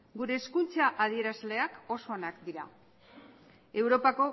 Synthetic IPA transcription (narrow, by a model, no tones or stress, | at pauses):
ɡuɾe̞ːskunt͡saʔað̞ie̞ɾazle̞ako̞so̞ːnakd̪iɾa̰ | e̞wɾo̞pako̞